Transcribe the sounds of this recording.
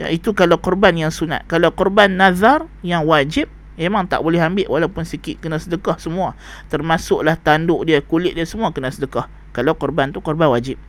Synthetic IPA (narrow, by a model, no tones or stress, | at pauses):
a̰it̪ukalawkɔrbanjaŋsuna̰t̪̚kalawkɔrbanːaðarjaŋwad͡ʒɪp̚ | memaŋt̪a̰ʔbolɛɦambɪʔwʔalawpʊnsikɪʔ̪̚kənasədəkɔhsəmua | t̪ərmasʊʔlaht̪andʊʔdiakulɪt̪ʔ̚diasəmuakənasədəkah | kalawkɔrbant̪ukɔrbanwad͡ʒɪp̚